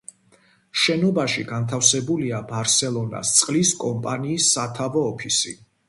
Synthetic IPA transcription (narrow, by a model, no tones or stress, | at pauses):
ʃɛnɔbaʃiɡant̪ʰafsɛbuliabaɾsɛlˠɔna̰st̪sʼqʼliskʼɔmpʼaniːsːat̪ʰavɔːpʰisḭ